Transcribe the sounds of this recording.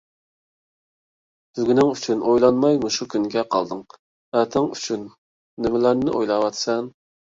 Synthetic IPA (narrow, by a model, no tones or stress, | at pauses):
sɪzɡʲynɪŋyt͡ʃʰynʔojlˠɑnmɑjmuʃukʲʰynɡʲɛqʰɑ̰lˠd̪ɨŋ | æt̪ʰɪŋyt͡ʃʰynː | ɪmɪlæɾnɪʔojlˠɑwɑt̪sɛn